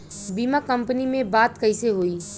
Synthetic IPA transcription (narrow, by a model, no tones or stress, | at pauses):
biːmakə̃mpənimẽbaːt̪kəɪseɦoːiː